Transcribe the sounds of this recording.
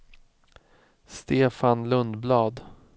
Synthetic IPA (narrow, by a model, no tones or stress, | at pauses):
st̪eːfanlɵnd̪blɑːd̪